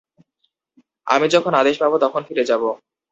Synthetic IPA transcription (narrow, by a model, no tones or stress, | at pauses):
a̰mid͡ʑɔkʰonad̪eʃbabot̪ɔkʰonfiɾed͡ʑabo